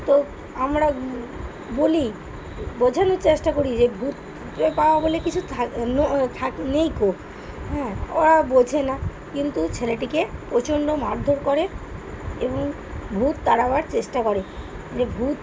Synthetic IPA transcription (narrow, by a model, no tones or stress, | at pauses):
t̪o | amɾa | boli | bod͡ʑʱanot͡ɕeʃʈakoɾid͡ʑebʱut̪̚ | epaoabolekit͡ɕʰut̪ʰanot̪ʰaknejkob | ɦɛ̃oɾabod͡ʑʱʰenakint̪ut͡ɕʰeleʈikepɾot͡ɕoɳɖomaɾd̪ʱoɾkoɾe | eboŋ | bʱut̪̚d̪aɽabaɾt͡ɕeʃʈakoɾe | d͡ʑebʱut̪